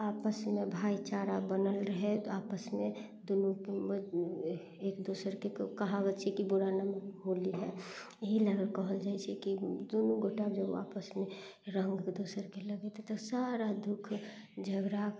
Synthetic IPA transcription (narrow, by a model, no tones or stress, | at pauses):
aːpəsmẽbʱaːit͡ʃaɾabənəlɾəɦeaːpəsmẽ | d̪onuk | eːkd̪oːsəɾkekəɦabəːʃʰikibʊɾanamɦoːliɦɛjəɦilɛɾəlkɔɦəld͡ʒaːit͡ʃʰɛkid̪oːnuɡoʈabd͡ʒəb̰aːpəsmẽ | ɾə̃ŋɡd̪oːsəɾkeləɡet̪et̪ɔsaɾad̪ʊkʰ | d͡ʒʱəɡɾa